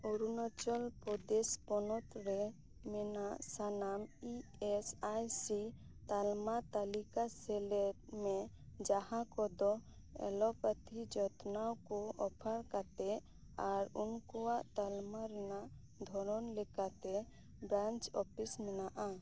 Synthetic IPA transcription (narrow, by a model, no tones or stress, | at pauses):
uɾunɔt͡ʃɔlpɾɔd̪ɛspɔnɔt̪ɾɛ | mɛnaʔsanamiɛsajsi | t̪almat̪alikasɛlɛt̪mɛ | d͡ʒahãkɔd̪ɔ | ɛ̰lɔpət̪id͡ʒɔt̪nawkɔɔpʰaɽkat̪ɛ | aɾunkɔwaʔt̪almaɾɛnaʔ | d̪ʱɔɾɔnlɛkat̪ɛ | bɾãnt͡ʃɔpʰismɛnaʔa